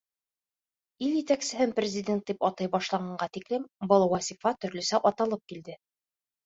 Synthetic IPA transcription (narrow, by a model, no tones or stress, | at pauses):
iljɘ̆t̪æksɘ̆ɦɘnprʲɪzʲɪdʲe̞nt̪̚d̪ipɒt̪ɤjbɒʃlˠɑɴɑɴɢɑt̪iklɘmbɤlˠwɑsʲifɑt̪ɵ̆ɾlɵ̆sæʔɒt̪ɑlˠɤp̚kild̪ɘ